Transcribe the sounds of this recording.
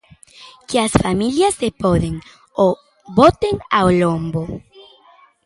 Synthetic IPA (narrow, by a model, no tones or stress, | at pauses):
keasfamiljasdepoðeŋ | o | βot̪eŋaolombo